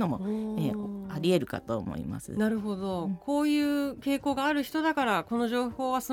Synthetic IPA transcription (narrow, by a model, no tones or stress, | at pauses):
no̞mo̞eːaɾʲie̞ɾɯ̟ka̰t̪oːmo̰ḭma̰sɨ̰naɾɯ̟ɦo̞d̪o̞kʰo̞ːjɯ̟ːke̞ːko̞ːɡaːɾɯ̟çi̥t̪o̞d̪akaɾako̞no̞ʑo̞ːho̞ːβasɨ